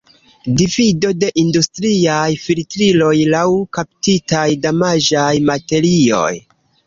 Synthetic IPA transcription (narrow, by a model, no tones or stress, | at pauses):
divido̞de̞ʔindustɾiajfiltɾilo̞jlawkap̚titajdamad͡ʒajmate̞ɾio̞̰j